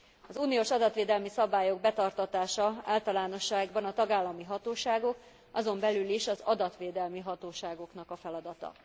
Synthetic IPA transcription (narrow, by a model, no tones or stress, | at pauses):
ɒzuːnioːʃɒd̪ɒt̪ʋeːd̪ɛlmisɒbaːjo̞ɡ̚bɛt̪ɒrt̪ɒt̪aːʃɒa̰ːlt̪ɒlaːno̞ʃːaːɡbɒnɒt̪ɒɡaːlːɒmiɦɒt̪oːʃaːɡo̞k | ɒzo̞mbɛlyliʃɒzɒd̪ɒt̪ʋeːd̪ɛlmiɦɒt̪oːʃaːɡo̞kn̪ɒkɒfɛlɒd̪ɒt̪ɒ̰